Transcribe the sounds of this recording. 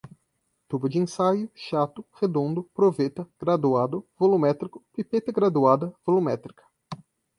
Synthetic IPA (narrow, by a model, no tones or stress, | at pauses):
t̪ubɐd͡ʒɪẽsajʊʃat̪ʊhed̪õnd̪ʊpɾovet̪ɐɡ̥ɾad̪uad̪ʊvolumɛt̪ɾikʊpipet̪ɐɡɾad̪uad̪ɐvolumɛt̪ɾikɐ̥